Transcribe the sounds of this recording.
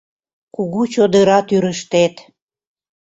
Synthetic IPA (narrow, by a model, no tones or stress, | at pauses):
kuɣut͡ɕod̪əɾɑt̪yɾəʃt̪et̪